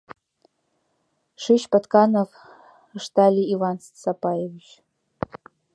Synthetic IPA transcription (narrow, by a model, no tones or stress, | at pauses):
ʂɨʃpat̪kanov | əʂt̪alʲiivanssapajevʲiʃ